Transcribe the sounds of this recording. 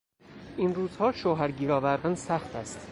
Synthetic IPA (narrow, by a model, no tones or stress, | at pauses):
ʔinruːz̥hɒːʃoːɦæɾɟiːɾɒːvæɾd̪ænsæxt̪ʰæst̪